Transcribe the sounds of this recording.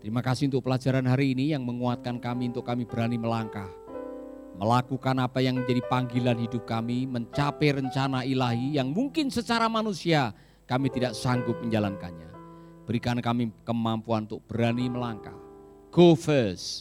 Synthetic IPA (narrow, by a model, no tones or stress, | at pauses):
t̪əɾimakasɪhunt̪ʊk̚pəlad͡ʒaɾanɦaɾiːnijaŋməŋuat̪̚kankamiunt̪ʊkːamib̥əɾaniməlaŋkah | məlakukanapajaŋməɲd͡ʒadipaŋɡilanhidʊp̚kamiməɲt͡ʃapɛɾəɲt͡ʃanailaɦijaŋmuŋkɪnsət͡ʃaɾamanusia | kamit̪idaʔsaŋɡʊp̚məɲd͡ʒalankanɲa̰ | b̥əɾikankamikəmampuanunt̪ʊk̚b̥əɾaniməlaŋka̰h | ɡ̥ofəs